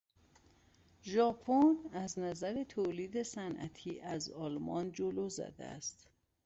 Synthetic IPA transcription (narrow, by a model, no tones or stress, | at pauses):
ʒɒːpʰonæznæzæɾe̞t̪ʰoliːd̪e̞sænʔæ̰t̪ʰiːʔæzɒːlmɒ̰nd͡ʒoloːzæ̰d̪ḛæ̰st̪